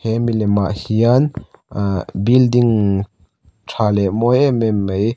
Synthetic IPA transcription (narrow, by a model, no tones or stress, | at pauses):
hɛmilɛmaʔhian | bild̪iŋ | tʰalɛʔmɔjɛmɛmːəj